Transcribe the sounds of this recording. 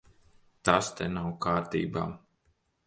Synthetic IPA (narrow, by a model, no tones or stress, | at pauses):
t̪ast̪ɛnawkaːɾt̪ḭːba̰ː